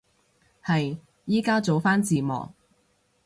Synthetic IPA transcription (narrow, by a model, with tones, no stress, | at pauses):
hɐ˨j | jiː˥kaː˥t͡so˨˧wfaː˥nt͡siː˨˩mɔ̰ː˨k̚